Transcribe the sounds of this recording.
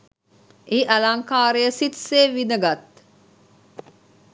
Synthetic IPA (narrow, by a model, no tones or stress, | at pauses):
ʔeʔɐlaŋkaːɾejəsit̪seːʋinəɡat̪